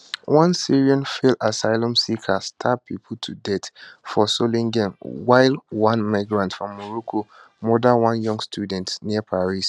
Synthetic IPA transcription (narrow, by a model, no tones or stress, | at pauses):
wãnsiɹiɔ̃nfelasaɪlɔ̃msikʰastʰapʰipʰl̩tʰudɛtfɔsolĩŋɡɛ̃nwaɪlwãnmaɪɡɹãntfɹɔ̃mːɔɹukʰo | mɔdãwãnjɔ̃ŋɡstʰudɛ̃ntniəpʰaɹis